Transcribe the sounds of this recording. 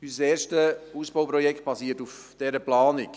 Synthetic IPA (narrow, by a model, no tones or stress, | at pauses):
yssɛːʃtəuːsb̥owpɾɔjɛkt̚b̥ɑsiətufd̥ɛɾəplɑːnɪk